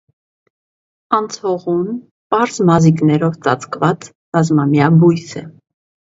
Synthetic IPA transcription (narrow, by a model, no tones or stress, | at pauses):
ɑnt͡sʰhɔʁun | pɑɾzmɑziknɛɾɔvt͡sɑ̰t͡skvɑt͡s | rɑzmɑmjɑbujsɛ